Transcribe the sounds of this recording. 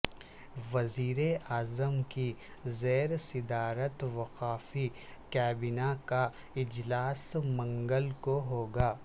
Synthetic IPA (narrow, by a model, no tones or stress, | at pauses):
ʋɐziːɾeaːzəmkizeːɾsɪd̪aːɾət̪ʋɐqaːfi | kɛːbɪnaka | ɪd͡ʒlaːsmɐ̃ŋɡəlkoɦoːɡaː